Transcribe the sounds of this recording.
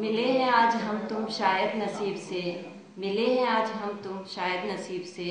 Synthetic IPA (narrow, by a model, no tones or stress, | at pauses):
mɪleɦɛ̃aːd͡ʒɦɐmt̪ʊmʃaːjəd̪nɐsiːbse | mɪleɦɛ̃aːd͡ʒɦɐmt̪ʊmʃaːjəd̪nɐsiːbse